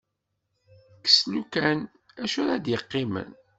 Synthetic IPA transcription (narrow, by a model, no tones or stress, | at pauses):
kə̥slukæn | æʃuɾæd̪jəqːimə̰n